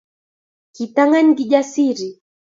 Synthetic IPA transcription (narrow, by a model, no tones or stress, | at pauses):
kitaŋaɲɡiʄasiɾi